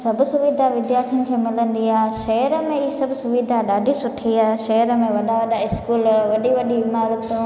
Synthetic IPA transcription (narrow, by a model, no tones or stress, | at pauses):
sɐbʱʊsʊʋid̪ʱaʋɪd̪jaːɾt̪ʰijʊnɪ̆kʰeːmɪlə̃nd̪iaːɦʃɐɦəɾə̆mẽɪisɐbʱsʊʋid̪ʱaɗaːɖʱisʊʈʰiaːɦeʃɐɦəɾə̆mẽʋɐɗaʋɐɗaɪskuːlʋɐɗiʋɐɗiɪmaːɾʊt̪ũ